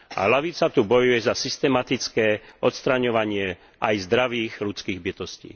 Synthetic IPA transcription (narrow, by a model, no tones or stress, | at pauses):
ʔa̰laʋit͡sat̪ubɔjujɛzasist̪ɛmat̪it͡skɛːʔɔt̪st̪ɾaɲɔʋaɲɪɛ | ʔajzd̪ɾaʋiːɣlut͡skiːɣbit̪ɔscḭː